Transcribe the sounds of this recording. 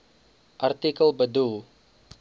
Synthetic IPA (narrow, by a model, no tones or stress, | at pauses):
ʔart̪ikəlbəd̪u